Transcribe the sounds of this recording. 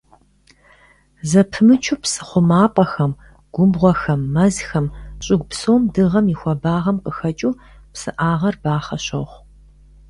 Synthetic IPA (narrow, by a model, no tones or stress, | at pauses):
zɐpʰɨmɨt͡ʃʰuːpsɨ̥χʷʊmaːpʼɐxɐm | ɡ̥ʷʊmbʁʷɔxɐmːɐzxɐmɕʼɪɡ̚ʷpsoːmdɨʁɐmiɪxʷɔbaːʁɐmqəxɐt͡ʃʼuː | psɨʔaːʁɐrbaːχɐɕo̰χʷ